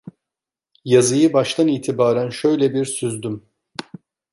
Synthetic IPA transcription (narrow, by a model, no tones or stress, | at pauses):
jazɯjɯbaʃt̪ʰaniːt̪ʰibaːɾænʃø̞jlʲɛbiɾsyzd̪ym